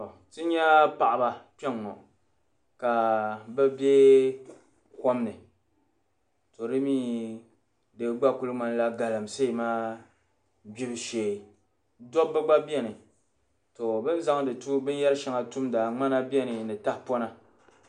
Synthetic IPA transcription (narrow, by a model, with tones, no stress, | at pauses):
tɨ˦ɲɛ˦pa˨ʔa˨ba˨pɛ˦ŋːɔ̰˨ | ka˨bɛ˦bɛ˦ | kɔ˦m˦nɨ˨ | to˨dɨ˦miː˦ | dɨ˨˦ɡ͡ba˦ku˦lɨ˦ŋ͡ma˨n˦la˦ɡa˨lɨ˨mse˦˨maː˦ | bi˦bʃeː˨ | dɔ˦bbɨ˦ɡ͡ba˦bi˦ɛ˦nɨ˨ | to˨bɨ˦n˦za˦ŋdɨ˨tu˦bɨ˦n˦jɛ˦lʃɛ˨˦ŋa˨tu˦mdaː˨ŋ͡ma˦na˦bi˦ɛ˦nɨ˨nɨ˨ta˦hpɔ˦na˦